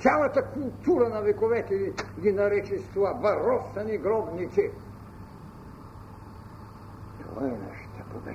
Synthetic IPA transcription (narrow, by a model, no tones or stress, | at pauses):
t̪sjalˠɐt̪akulˠt̪uɾɐnɐvɛkovɛt̪ɛiɡinɐɾɛt͡ʃist̪vuvavɐɾɔsɐniɡɾɔbnit̪si | t̪o̰va̰ɛonɛ̰ʃt̪ɛpobɛ̰